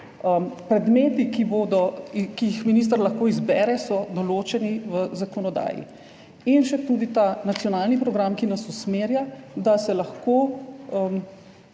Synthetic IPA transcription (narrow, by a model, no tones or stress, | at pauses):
əmpɾɛd̪meːt̪ikibod̪ɔkijixminis̬t̪əɾlaxkoːizbɛɾɛsɔd̪ɔloːt͡ʃɛniʋəzakɔnɔd̪a̰ːjḭ | inʃɛt̪uːd̪it̪anat̪sijɔnaːlnipɾɔɡɾamkinasusmeːɾjad̪asɛlɐxkoːəm